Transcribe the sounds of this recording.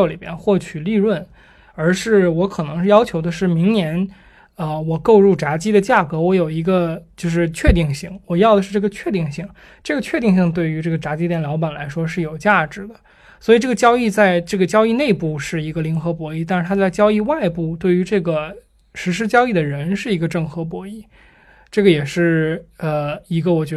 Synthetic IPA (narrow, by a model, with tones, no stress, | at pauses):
li˨˩mjɛ̰˥˧nxwɔ˥˩t͡ɕʰy˨˩li˥˧ɻwə˥˩n | ə˞˧˥ʂɻ̩˥˩wɔ˧˥kʰɤ˨˩nɤ˧˥ŋʂɻ̩˥˧jɑ˥ʊt͡ɕʰjo˧˥ʊd̪ə˧ʂɻ̩˥˩mi˧˥ŋnjɛ˧˥n | ə˧wɔ˨˩ko˥˧ʊɻu˥˩ʈ͡ʂa˧˥t͡ɕi˥d̪ə˨t͡ɕja˥˩kɤ˧˥wɔ˧˥jo˨˩ʊi˧˥ɡə˧t͡ɕjo˥˧ʊʂɻ̩˥˧t͡ɕʰɥɛ˥˧t̪i˥˧ŋɕi˥˩ŋwɔ˨˩jɑ˥˩ʊd̪ə˩ʂɻ̩˥˧˩ʈ͡ʂɤ˥˩ɡə˩˧t͡ɕʰɥɛ˥˧t̪i˥˧ŋɕi˥˩ŋ | ʈ͡ʂɤ˥˩ɡə˩t͡ɕʰɥɛ˥˧t̪i˥˧ŋɕ̬i˥˧ŋt̪̬we˥˩ɪy˧˥ʈ͡ʂɤ˥˩ɡə˩ʈ͡ʂa˧˥t͡ɕi˥jɛ˨˩nljɑ˧˥ʊp̬a˨˩nla̰˧˥ɪʂwɔ˥ʂɻ̩˥˩jo˨˩ʊt͡ɕja˥˩ʈ͡ʂɻ̩˧˥˦d̪ə˦ | swɔ˧˥i˨˩ʈ͡ʂɤ˥˩ɡə˩t͡ɕjɑ˥ʊi˥˧t͡sa˥˧ɪʈ͡ʂɤ˥˩ɡə˩t͡ɕjɑ˥ʊi˥˧ne˥˧ɪpu˥˧ʂɻ̩˥˩i˧˥ɡə˧li˧˥ŋxɤ˧˥p̬wɔ˧˥i˥˧t̪a˥˧ʂɻ̩ʰ˧˩a˥t͡sa˥˩ɪt͡ɕjɑ˥ʊi˥˧wa˥˧ɪpu˥˩t̪we˥˩ɪy˧˥ʈ͡ʂɤ˥˩ɡə˩ | ʂɻ̩˧˥ʂ̬ɻ̩˥t͡ɕjɑ˥ʊi˥˩d̪ə˩ɻə˧˥nʂɻ̩˥˩i˧˥ɡə˧ʈ͡ʂɤ˥˩ŋxɤ˧˥p̬wɔ˧˥i˥˩ | ʈ͡ʂɤ˥˩ɡə˩jɛ˨˩ʂɻ̩˥˩ə˧i˧˥ɡə˧wɔ˨˩t͡ɕɥɛ˧˥